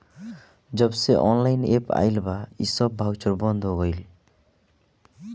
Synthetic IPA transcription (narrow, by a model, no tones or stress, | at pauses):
d͡ʑɔbseʔɔnlajnepa̰jlbaisɔbːʱawt͡ʃɔɾbɔnd̪ʱoɡɔjl